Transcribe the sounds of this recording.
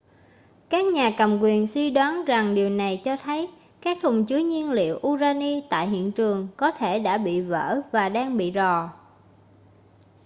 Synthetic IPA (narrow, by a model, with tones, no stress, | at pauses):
kaː˦˥k̚ɲaː˨˩kə˨˩mkwi˨˩ənswi˧ɗwaː˨˦nza˨˩ŋɗi˨˩əwna˨˩jt͡ɕɔ˧t̪ʰə˨˦j | kaː˦˥k̚t̪ʰʊ˨˩ŋ͡mt͡ɕɨ˨˦ɲi˧ənlḭ˧˨əwʔu˧zaː˧ni˧t̪a̰ː˧˨jɦḭ˧˨ənt͡ɕɨ˨˩əŋkɔ˨˦t̪ʰe˧˩ɗa̰ː˧˥ɓḭ˧˨və̰ː˧˥vaː˨˩ɗaː˧ŋɓḭ˧˨zɔ˨˩